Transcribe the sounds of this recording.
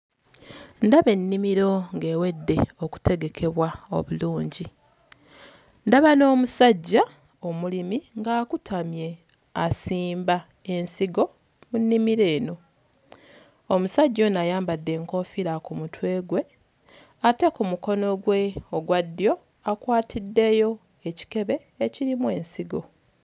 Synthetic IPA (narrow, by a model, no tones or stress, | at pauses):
ndaβe̞nːimiɾo̞ŋɡe̞ːwe̞dːe̞oku̥te̞ɡe̞kʰe̞βwao̞̰βuluːɲɟi | ndaβano̞ːmusaɟːa | o̞mulimiŋɡaːkutʰamje̞ | asiːmba | e̞nsiɡo̞ | munːimiɾe̞ːno̞ | omusaɟːo̞najaːmbadːe̞ːŋko̞ːfiɾakumutwe̞ːɡwe̞ | ate̞kumuko̞no̞ɡweoɡwadːijo̞ | akwaːtʰidːe̞jo̞ | eci̥ke̞βe̞ːciɾimwe̞ːnsiɡo̞̰